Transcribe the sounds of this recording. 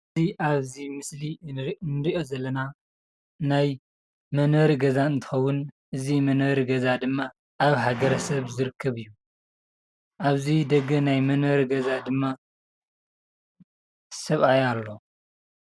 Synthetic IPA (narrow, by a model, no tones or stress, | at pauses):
ɨziʔaβzimɨslinɨɾiʔo̞zɐlːɐna | naj | mɐnwɐɾiɡɐzaɨnt̪ʰɨ̥xɐwːʊnʔɨzimɐnwɐɾiɡɐzad̪ɨmːa | ʔaβhaɡɐɾɐsɐβzɨɾɨkʰːɐβɨjːu | ʔaβzid̪ɐɡːɐnajmɐnwɐɾiɡɐzad̪ɨmːa | sɐβajalːo̞